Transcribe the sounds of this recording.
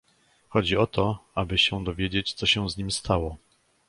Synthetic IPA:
xɔd͡ʑiɔt̪ʰɔabɘɕɛ̃d̪ɔvʲjed͡ʑet͡ɕt̪sɔɕɛ̃zɲimst̪ʰawɔ

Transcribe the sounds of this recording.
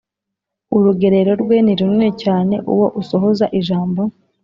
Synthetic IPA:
uɾuɡe̞ɾe̞ɾo̞ɾɡwe̞niɾuniɾecaːne̞ʔṵwo̞ʔuso̞ɦo̞zaʔiʒaːmbo̞

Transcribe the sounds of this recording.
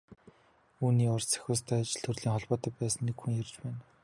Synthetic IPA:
uːniːʊrt͡sʰæ̥xʲʊːst̪ʰæːat͡ɕɪ̆ɮt̪ʰɵrɮiːŋχɔɮpɔːt̪ə̆t̪̚pæːsə̆nːekxuŋjert͡ɕpæːn

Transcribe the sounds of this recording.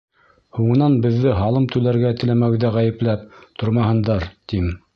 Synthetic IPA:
huɴɤ̆nɑnbɘ̆ðːɘɦɑlˠɤmt̪ʉlæɾɡæt̪ɘ̆læmæwðæʁæjɘ̆plæp̚t̪ŏɾmɑhɤ̆nd̪ɑɾt̪im

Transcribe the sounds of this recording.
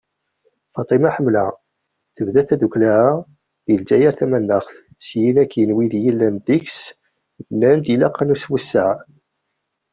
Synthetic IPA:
fɑt̪ˤimaħəmːlæ | θəvðæθæðuklæa | ðəld͡ʒæjæɾθæmænːəχθ | sjinækʰːənwiðjilːænd̪iks | bnænd̪ilæqːɑnuswəsːəʕ

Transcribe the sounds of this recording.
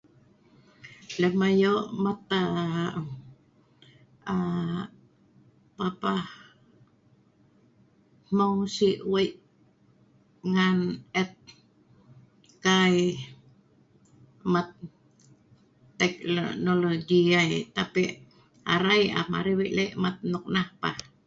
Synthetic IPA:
ləmajoʔmat̪a | a | papah | mawsiwajʔ | ŋanɛt̪̚ | kaj | mat̪̚ | ɛk̚noloɡiajt̪apiʔ | a̰ɾaja̰ma̰ɾiwiʔleʔmat̪̚nuk̚nahpa̰h

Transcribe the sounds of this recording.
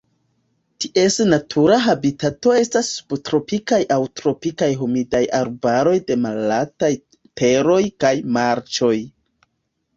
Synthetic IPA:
tiʔe̞snatʰuɾaɦabitato̞e̞stasːu̥btɾo̞pikajʔawtɾo̞pikajɦumidajaɾbaɾo̞jde̞malataj | tʰeɾo̞jkajmaɾt͡ʃo̞j

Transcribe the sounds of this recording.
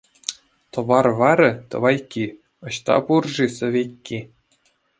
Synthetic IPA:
t̪ɤ̆ʋɑrʋɑɾʲɘ̆t̪ɤ̰̆ʋɑjkʲːi | ɤ̆ɕt̪ɑ̰purʐisɤ̆ʋʲekʲːi

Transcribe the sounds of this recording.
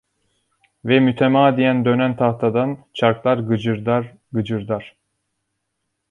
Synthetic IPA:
vɛmyt̪ʰemaːd̪ijænd̪ø̞nænt̪ʰaht̪ʰad̪ant͡ʃʰaɾklˠaɾɡɯ | ɡɯd͡ʒɯɾd̪aɾ̥

